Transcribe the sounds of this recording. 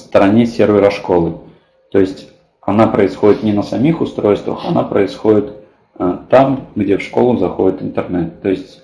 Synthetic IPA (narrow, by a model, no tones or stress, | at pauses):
st̪əɾɐnʲesʲervʲɪɾɐʂkolˠɨ | t̪o̞ɪsʲtʲ | ɐnapɾəɪsxo̞dʲɪt̪nʲɪnəsɐmʲixʊst̪ɾo̞jst̪və̰xɐnapɾəɪsxo̞dʲɪt̪ | t̪ːamɡdʲefʂkolˠʊzɐxo̞dʲɪt̪ɨnt̪ɨrnɛt̪ːo̞ɪsʲtʲ